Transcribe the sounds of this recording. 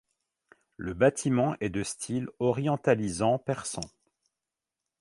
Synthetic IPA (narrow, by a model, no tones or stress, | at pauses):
ləbat̪ʰimɑ̃ʔɛd̪əst̪ʰilɔʁjɑ̃t̪alizɑ̃pɛʁsɑ̃